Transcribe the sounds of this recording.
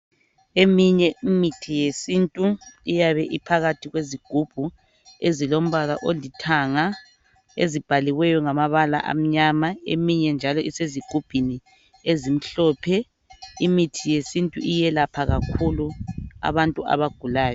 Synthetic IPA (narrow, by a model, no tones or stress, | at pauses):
emiɲɛʔimitʰijesintʼuijaβɛʔipʰaɣatʰiɣweziɡ̥ʱub̥ʱu | ezilom̩βalaʔolitʰaŋa | ezib̥ʱaliwɛjɔŋamaβala̰ʔa̰m̩ɲamaḛmiɲɛnd͡ʒʱalɔiseziɡ̥ʱub̥ʱini | ezim̩ɬɔːpʰɛ | imitʰijesintʼuʔijɛlapʰaɣakʰulua̰βantʼua̰βaɡ̥ʱulaːjɔ